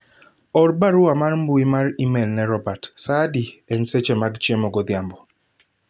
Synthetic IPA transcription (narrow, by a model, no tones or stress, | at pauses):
ɔɾbaɾʊamarmbuimaɾimɛlnɛɾɔbatsadiɛnset͡ʃɛmaɡt͡ʃemɔɡɔd̪jambɔ